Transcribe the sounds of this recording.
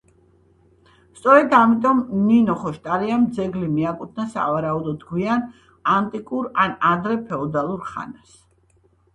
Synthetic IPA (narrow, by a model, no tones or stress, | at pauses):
st̪sʼɔɾɛd̪amit̪ʼɔmninɔχɔʃt̪ʼaɾiamd̪zɛɡlimiakʼut̪̚ʰnasa̰vaɾaud̪ɔd̪ɡwian | ant̪ʼikʼuɾanad̪ɾɛpʰɛɔd̪alˠuɾχa̰nas